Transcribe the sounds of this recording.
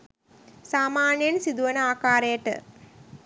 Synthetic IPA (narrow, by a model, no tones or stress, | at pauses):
saːmaːnjɐnsid̪uʋɐnəaːkaːɾejɐʈə̰